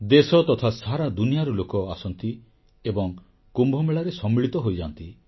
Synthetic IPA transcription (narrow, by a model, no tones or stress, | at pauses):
d̪esɔt̪ɔt̪ʰasaɾad̪unijaɾɔlokɔasɔnt̪i | ebɔŋ | kumbʱɔmeɭaɾesɔmːiɭit̪ɔɦojd͡ʒa̰nt̪i